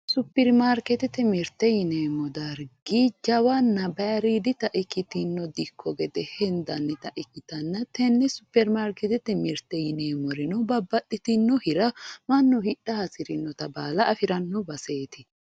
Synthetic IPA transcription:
sʊpːɛɾmaːɾkɛt̪ɛt̪ːɛmɪɾt̪ːɛjɪneːmɔd̪aɾɡiːd͡ʒɐwɐnːɐbɐɾid̪ɪt̪ɐʔɪkːɪt̪ɪnːɔd̪ɪkʰːɔɡɛd̪ɛhɛnd̪ɐnːɛt̪ɐʔɪkːɪt̪ɐnːɐt̪ɛnːɛsʊpːɛɾmaːɾkɛt̪ɛt̪ːɛmɪɾt̪ːɛjɪneːmɔɾɪnɔbɐbːɐtːɪt̪ɪnːɔhɪɾɐmɐnːɔhɪᶑːɐhɐsɪɾɪnːɔt̪ɐbaːlɐʔɐfɪɾɐnːɔbɐse̞ːt̪ɪ

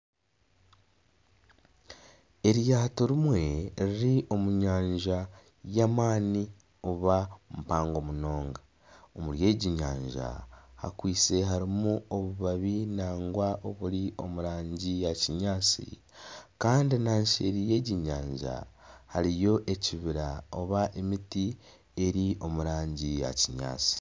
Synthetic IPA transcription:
e̞ɾjaːto̞ɾimwe̞ɾiɾiʔo̞muɲaːɲʒa | jamaːni | oβamupaːŋɡo̞muno̞ːŋɡa | omuɾje̞ːɟiɲa̰ːɲʒa̰ha̰kwiːt͡se̞ɦaɾimuo̞βuβaβinaːŋɡwaʔoβuɾio̞muɾaːɲɟijaciɲaːt͡sḭ | kaːndinaːɲʃḛɾije̞ɟiɲaːɲʒa̰haɾijo̞ʔe̞ciβiɾao̞βaʔe̞miti | e̞ɾiʔo̞muɾaːɲɟija̰ciɲa̰ːt͡si̥

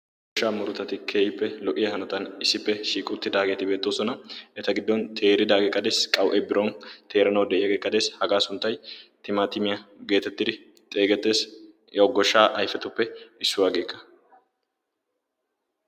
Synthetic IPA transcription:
ɡʃaːmʊɾʊt̪ɐt̪ɪkʰe̞ːjɪpːɛlɔʔɪjɐhɐnɔt̪ɐnɪsːɪpːɛʃiːkʼʊt̪ːɪd̪aːɡe̞ːt̪ɪbeːt̪ːoːsɔnɐɛt̪ɐɡɪd̪ːɔnt̪ʰe̞ːɾɪd̪aːɡeːkʼːɐd̪eːskʼɐwʔɛbɪɾɔnt̪ʰe̞ːɾɐnɐwd̪ɛʔɪjɐɡeːkʼːɐd̪e̞ːshɐɡaːsʊnt̪ːɐjt̪ɪmaːt̪ɪmɪjɐɡe̞ːt̪ɛt̪ːɪd̪ɪ | t̪ʼe̞ːɡɛt̪ːe̞ːs | jɐɔɡːɔʃːaːʔɐjfɛt̪ʊpːɛɪsːʊwaːɡe̞ːkːɐ̥

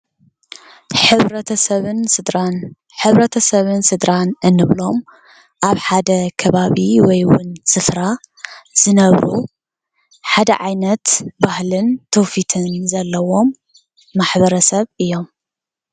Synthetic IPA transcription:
ħɨβɾɐɐɐβnn | ħɨβɾɐt̪ʰɐsɐβɨnsɨd̪ɾanʔɨnːɨβlo̞m | ʔaβħad̪ɐkʰɐβaβiwɔjwʊ̰nsɨfɾaz̥ɨnɐβɾu | ħad̪ɐ̰ʕajnɐt̪bahlɨnt̪ʰːofit̪ʰɨnzɐlːɐwo̞mː | aħbɐɾɐsɐβɨjːo̞m

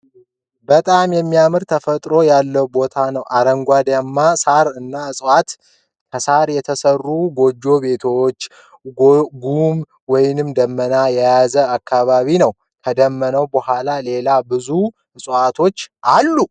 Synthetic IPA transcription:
bət̪ʼamjɛmːijamɨɾt̪ʰəfət̪ʼɾo̞jalːəwbo̞t̪ʰanəwʔaɾəŋɡʷad̪jamːasaɾɨnːaɨsʼwat̪ | kʰəsaɾjɛt̪ʰəsərːuɡo̞d͡ʒːo̞be̞t̪ʰot͡ʃː | ɡum | wɔjnɨmd̪əmːənajɛjazəakʰːaβaβinəw | kʰəd̪əmːənəwbəhʷalale̞labɨzu | ɨsʼat̪ʰo̞t͡ʃːʔalːu

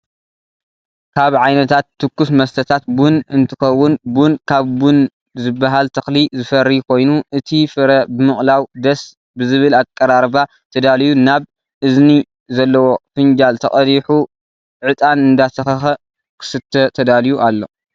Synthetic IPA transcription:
kʰaβʕajnɐt̪ʰat̪ːɨkːusmɐst̪ʰɐt̪ʰat̪̚bunɨnt̪ʰɨxɐwːʊnbunkʰaβbun | zɨbːaɦalt̪ʰɐxlizɨfɐɾikʰo̞jnuʔɨt̪ʰifɨɾɐbɨmɨχʼlawd̪ɐs | bɨzɨβɨlakʼːɐɾaɾba | t̪ʰɐd̪alijunaβ | ʔɨzni | zɐlːɐwo̞fɨnd͡ʒalt̪ʰɐχʼɐɾiħu | ʕɨt̪ʼanɨnd̪at̪ʰɐxɐxɐ | kʰɨ̥sɨt̪ʰːɐt̪ʰɐd̪alijuʔalːo̞

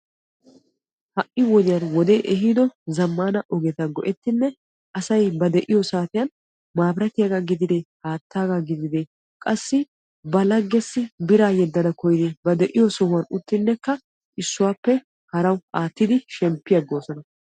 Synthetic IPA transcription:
hɐʔːɪwɔd̪ɪjɐnwɔd̪eːʔɛɦid̪ɔzɐmːaːnɐʔɔɡɛt̪ɐɡɔʔɛt̪ːɪnːɛ | ʔɐsɐjbɐd̪ɛʔɪjɔsaːt̪ɪjɐn | maːbɾɐt̪ɪjaɡaɡɪd̪ɪd̪ehaːt̪ːaːɡaɡɪd̪ɪd̪eː | kʼɐsːɪ | bɐlɐɡːɛsːɪbɪɾaːjɛd̪ːɐnɐkɔjd̪eːbɐd̪ɛʔɪjɔsɔhʊɐnʊt̪ːɪnːɛkːɐ | ʔɪsːʊwaːpːɛ | hɐɾɐwaːt̪ːɪd̪ɪʃɛmpːɪjɐɡoːsɔnɐ

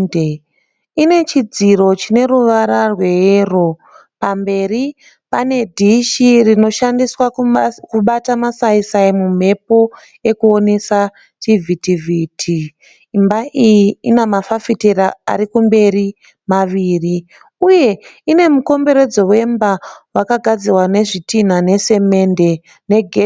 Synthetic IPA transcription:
e | ine̞t͡ʃid͡ziɾo̞t͡ʃine̞ruʋaɾarwe̞eːro | pambe̞ɾi | pane̞dʱiʃirino̞ʃandiswakuɓatamasaisaimum̤e̞po̞ | e̞kuo̞ne̞sa | tivʱitivʱitʰiː | mbaʔijiinamafafiteɾaa̰ɾikumbe̞ri | maʋiːri | uje̞ine̞muko̞mbe̞ɾe̞d͡zo̞we̞mbawakaɡʱad͡zirwane̞ʐitin̤ane̞se̞me̞nde̞ | ne̞ɡʱe

